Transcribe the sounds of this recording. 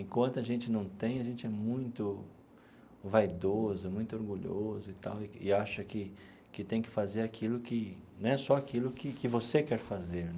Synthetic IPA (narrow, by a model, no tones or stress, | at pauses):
ẽkwɐ̃nt̪ʊaʒẽnt͡ʃɪnɐ̃w̃t̪ẽj̃ɐʒẽnt͡ʃɪɛmũj̃t̪ʊ | vajd̪ozʊmũj̃t̪ʊoɾɡuʎozʊɪt̪a̰wɪɪ̰aʃɐkɪ | kɪt̪ẽj̃kɪ̥fazeɾakʰilʊkɪnɛsɔakilʊkɪkɪvosekɛɾfazeɾ